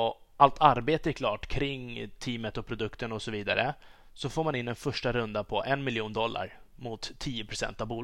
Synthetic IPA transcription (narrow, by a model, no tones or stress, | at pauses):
ɔ | ʔalt̪ʰaɾbeːt̪əɛɾkʰlɑːʈkʰɾɪŋːt̪ʰiːmət̪ɔpʰɾʊd̪ɵkt̪ənɔsɔviːd̪a̰ɾʔə | sɔfoːmanɪnːɛnfœʂʈaɾɵnd̪apʰɔʔɛnmɪljuːnd̪ɔlːa̰ɾmʊt̪ʰːiːʊpʰɾʊsɛ̰nt̪avbuːl